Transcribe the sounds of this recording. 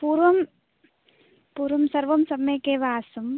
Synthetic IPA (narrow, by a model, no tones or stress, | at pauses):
puːɾʋɐm | puːɾʋɐmsɐɾʋɐmsɐmɐkeːʋaːsɐm